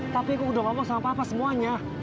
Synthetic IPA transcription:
t̪apiakukudaŋɔmɔŋsamapaːpasəmuaɲa

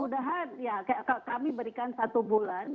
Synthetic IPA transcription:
udaɦanjakajakakamibəɾikansat̪ubulan

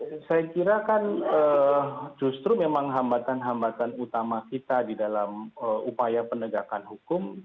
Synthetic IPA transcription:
sajakiɾakanə | d͡ʒust̪ɾumemaŋɦambat̪anɦambat̪anut̪amakit̪adidalaməupajapənəɡakanhukʊm

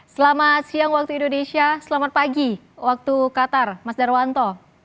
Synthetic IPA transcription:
səlamat̪̚siaŋwak̚t̪uindonesiasəlamat̪̚paɡi | wak̚t̪ukat̪armasdarwant̪ɔ

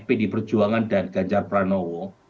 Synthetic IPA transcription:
pɪdipər̥d͡ʒuaŋandat̪̚ɡ̥aɲt͡ʃarpɾanɔwɔ

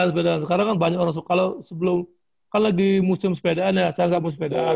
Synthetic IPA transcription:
nsəpedaansəkaɾaŋkanbaɲakoɾaŋs̬kalawsəbəlʊm | kanlaɡimusɪmsə̥pedaanjasajaŋɡaʔmusɪmpeda̰a

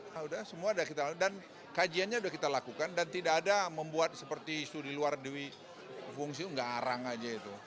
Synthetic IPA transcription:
audahsəmuadakit̪aadan | kad͡ʒianɲaudahkit̪alakukandant̪idaːdaməmbuat̪̚səpərt̪iːsudiluardiwi | fuŋs̬iuŋɡaʔaɾaŋad͡ʒait̪u

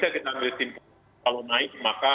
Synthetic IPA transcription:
dakit̪aŋɪt̪imp | alonaɪk̚maka

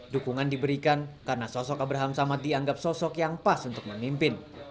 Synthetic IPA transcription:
dukuŋandibəɾikankarnasɔsɔkabɾaɦamsamat̪̚diaŋɡap̚sɔsɔkjaŋpasunt̪ʊk̚məmimpɪn

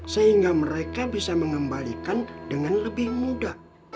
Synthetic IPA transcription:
səɦiŋɡaməɾekabisaməŋəmbalikandəŋanləbɪhmuda

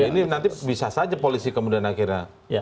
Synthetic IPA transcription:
ininant̪ibisasad͡ʒapolisikəmudianakiɾɲa

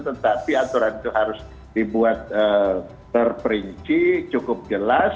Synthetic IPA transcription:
t̪ət̪apiat̪uɾanit̪uɦaɾʊs | dibuat̪̚ə | t̪ərpəɾiɲt͡ʃit͡ʃukʊp̚d͡ʒəlas

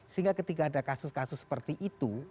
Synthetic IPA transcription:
səɦiŋɡakət̪ikaːdakasʊskasʊsːə̥pərt̪iʔit̪u

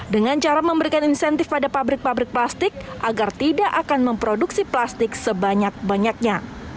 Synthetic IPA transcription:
dəŋant͡ʃaɾaməmbəɾikaninsɛnt̪ɪfpadapabɾɪk̚pabɾɪk̚plast̪ɪk̚ʔaɡart̪idaʔakanməmpɾoduksiplast̪ɪksəbaɲak̚baɲak̚ɲa

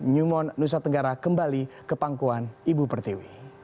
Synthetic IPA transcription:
ɲumɔnːus̬at̪əŋɡaɾakəmbalikəpaŋkuanibupərt̪iwi

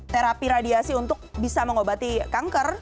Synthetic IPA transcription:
t̪eɾapiɾadiasiunt̪ʊk̚bisaməŋobat̪ikaŋkər

